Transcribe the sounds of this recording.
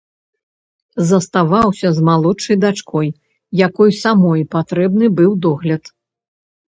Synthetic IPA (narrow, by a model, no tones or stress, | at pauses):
zɐst̪avawsʲɐzmalˠɔt͡ʂːɐjd̪at͡ʂkʰɔj | jakɔjsamɔjpat̪ɾɛbnɨbɨwd̪ɔɣlʲɐt̪